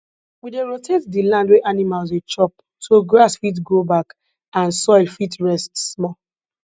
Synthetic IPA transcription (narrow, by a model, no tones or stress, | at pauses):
wideɹotʰetdilãndweʔanimalzet͡ʃɔp̚ | tʰoɡɹasfit̬ɡobak | ãnsɔlfitɹɛstsmɔ